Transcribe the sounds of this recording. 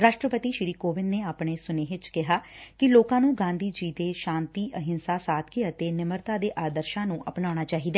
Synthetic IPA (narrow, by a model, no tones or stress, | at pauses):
ɾaːʃʈɾəpət̪iːʃɾiːkoːʋɪnneːaːpɳeːsʊneːʋɪt͡ʃkɪɦaːkɪloːkãːnũːɡãːnd̪ʱiːd͡ʒiːd̪eːʃãːnt̪iːʔəɦɪnsaːsaːt̪ʰkeət̪eːnɪməɾt̪aːd̪eːʔaːd̪əɾʃãːnũːʔəpnaːɽ̃aːt͡ʃaːɦiːd̪ɛː